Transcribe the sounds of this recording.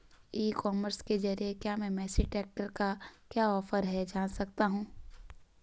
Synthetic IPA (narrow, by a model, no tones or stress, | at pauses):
iːkɔːməɾsked͡ʒɐɾiekjaːmɛ̃ːmɛːsiʈɛːk̚ʈəɾkakjaːɔːfəɾɦɛd͡ʒãːnsɐkt̪aɦũː